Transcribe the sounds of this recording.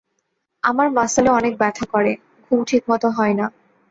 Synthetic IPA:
amaɾmasaleɔnek̚bɛt̪ʰakoɾe | kʰubʈʰikmɔt̪oɦɔena

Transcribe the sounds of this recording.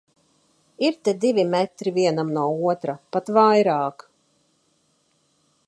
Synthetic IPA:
iɾt̪ed̪ivʲimɛt̪ɾiviɛnamnuɔuɔt̪ɾapat̪vajɾaːk

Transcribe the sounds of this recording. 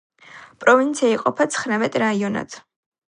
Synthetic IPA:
pʼɾɔvint̪sʰiaiqʼɔpʰat̪sʰχɾamɛt̪ʼɾaiɔna̰t̪ʰ

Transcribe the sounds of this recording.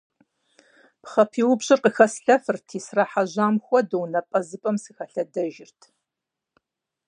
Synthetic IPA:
pχɐpʰiːwʊbɕʼɪrqəxɐsɬɐfɨrtʰiːsraħaʑaːmxʷɔdownɐpʼɐzɨpʼɐmsɨxɐɬɐdɐʒɪrtʰ

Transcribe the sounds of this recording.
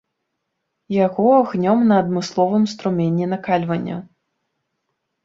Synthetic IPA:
jaɣɔɣnʲɔmnɐːd̪mɨslˠɔvɨmst̪ɾumʲenʲːinɐkalʲvɐnʲːɐ̰

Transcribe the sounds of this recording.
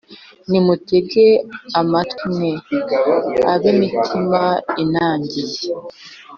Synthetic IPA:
nimuteɡeamatime | aβemitʰimainaːɲɟije

